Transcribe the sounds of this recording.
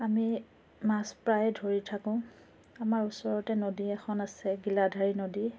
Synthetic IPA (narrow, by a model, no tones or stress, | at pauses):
ami | maspɹajɛdʱoɹitʰakʊ̃ | amaɹusɔɹɔtɛnodiɛxʰɔnasɛɡiladʱaɹinodi